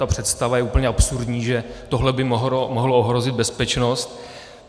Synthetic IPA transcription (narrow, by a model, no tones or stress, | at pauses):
apr̝̥ɛt̪st̪avajɛʔuːpəɲɛʔapsuɾdɲiːʒɛt̪oɦlɛbɪmɦomoɦlooɦɾo̞zɪd̪̚bɛspɛt͡ʃno̞st̪̚